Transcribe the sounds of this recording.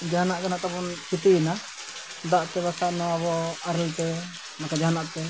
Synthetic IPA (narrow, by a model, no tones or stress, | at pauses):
d͡ʒanaʔkanaʔt̪akɔnt͡ʃʰit̪ina | d̪aʔt̪ɛβasaʔnɔaβɔaɾɛlt̪ɛ | makad͡ʒaɦanaʔt̪ɛ